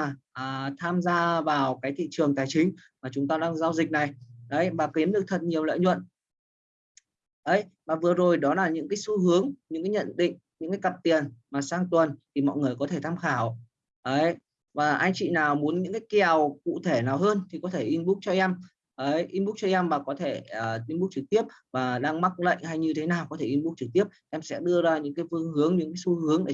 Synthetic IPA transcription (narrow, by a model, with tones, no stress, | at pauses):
ʔəː˨˩t̪ʰaː˧mzaː˧vaː˨˩wkaː˨˦jt̪ʰḭ˧˨t͡ɕɨ˨˩əŋt̪aː˨˩jt͡ɕï˨˦ŋ̟maː˨˩t͡ɕʊ˨˦ŋ͡mt̪aː˧ɗaː˧ŋzaː˧wzï˨˩k̚na˨˩jʔə˨˦jvaː˨˩ki˨˦mɗɨ˨˩ək̚t̪ʰə˨˩t̚ɲi˨˩əwlə̰ː˧˨ɲwə̰˧˨n | ʔə˨˦jvaː˨˩vɨ˨˩əzo˨˩jɗɔ˨˦laː˨˩ɲɨ̰˧˥ŋkaː˨˦jsu˧ɦɨ˨˦əŋɲɨ̰˧˥ŋkaː˨˦jɲə̰˧˨nɗḭ˧˨ŋ̟ɲɨ̰˧˥ŋkaː˨˦jkə˨˩p̚t̪i˨˩ənmaː˨˩saː˧ŋt̪wə˨˩nt̪ʰi˨˩mɔ̰˧˨jŋɨ˨˩əjkɔ˨˦t̪ʰe˧˩t̪ʰaː˧mxaː˧˩w | ʔəː˨˦j | vaː˨˩ʔa˧jŋ̟t͡ɕḭ˧˨naː˨˩wmu˨˦ənɲɨ̰˧˥ŋkaː˨˦jki˨˩ə˨wkṵ˧˨t̪ʰe˧˩naː˨˩wɦəː˧nt̪ʰi˨˩kɔ˨˦t̪ʰe˧˩ʔi˧nɓu˦˥k̚t͡ɕɔ˧ʔɛ˧m | ʔəː˨˦jʔi˧ɓu˦˥k̚t͡ɕɔ˧ʔɛ˧mvaː˨˩kɔ˨˦t̪ʰe˧˩əː˨˩i˧nɓu˦˥k̚t͡ɕɨ˨˩k̚t̪i˦˥əp̚vaː˨˩ɗaː˧ŋma˦˥k̚lə̰˧˨jŋ̟ha˧jɲɨ˧t̪ʰe˨˦naː˨˩wkɔ˨˦t̪ʰe˧˩ʔi˧nɓu˦˥k̚t͡ɕɨ˨˩k̚t̪i˦˥əp̚ʔɛ˧msɛ̰˧˥ɗɨ˧əzaː˧ɲɨ̰˧˥ŋkaː˨˦jvɨ˧əŋhɨ˨˦əŋɲɨ̰˧˥ŋkaː˨˦jsu˧hɨ˨˦əŋɗe˧˩